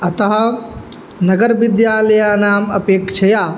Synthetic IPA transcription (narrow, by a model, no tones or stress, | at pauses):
ɐt̪ɐɦɐ | nɐɡəɾʋɪd̪jaːlɐjaːnaːmɐpeːkt͡ʃʰɐjaː